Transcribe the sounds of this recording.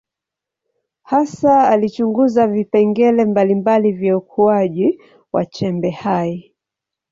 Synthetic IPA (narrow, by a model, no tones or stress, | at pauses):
hasaalit͡ʃuŋɡuzavipɛŋɡɛlɛmbalimbalivjaukʰuaʄi | wa̰t͡ʃɛmbɛhai